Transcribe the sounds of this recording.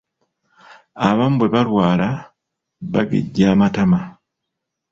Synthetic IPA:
aβam̩bweβalwaːla | βaɡḛɟːaːmatama

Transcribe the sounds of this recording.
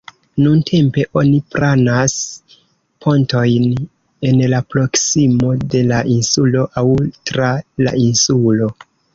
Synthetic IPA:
nuntʰe̞mpe̞ʔo̞nipɾanas | pʰo̞nto̞jn | e̞nlapɾo̞ksimo̞de̞laʔinsulo̞ʔawtɾala̰ʔinsulo̞

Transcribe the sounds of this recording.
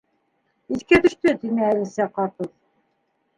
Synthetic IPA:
iθkæt̪ɵ̆ʃt̪ɵt̪inɘælisæqɑt̪ɤð

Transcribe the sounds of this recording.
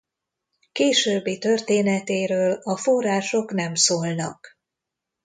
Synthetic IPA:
keːʃøːbːit̪ø̞rt̪eːnɛt̪eːɾøːlɒforaːʃo̞kn̪ɛmsoːlnɒ̰k

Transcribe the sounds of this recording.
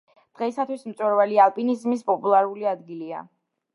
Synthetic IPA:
d̪̥ʁɛisat̪ʰwismt̪sʼwɛɾvalialˠpʼinizmispʼɔpʼulˠaɾuliad̪ɡilia̰

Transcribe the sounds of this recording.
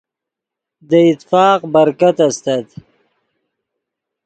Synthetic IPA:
d̪əɪt̪fɑːqbɐɾkat̪ast̪ad̪

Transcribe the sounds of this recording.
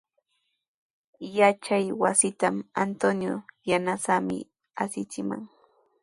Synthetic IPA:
jat͡ʃajwasɪt̪amant̪onjojanasamɪ̰ | asɪt͡sɪma̰ŋ

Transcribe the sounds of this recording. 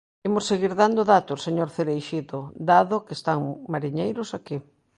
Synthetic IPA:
emoseɣiɾðand̪ʊðat̪ʊseɲoɾθeɾejʃiðod̪aðʊkest̪aŋmaɾiɲejɾʊsaki

